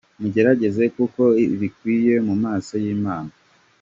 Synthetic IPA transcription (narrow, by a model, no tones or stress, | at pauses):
muɟe̞ɾaɟe̞ze̞kuko̞βikwiːje̞mumaːso̞jiːmaːna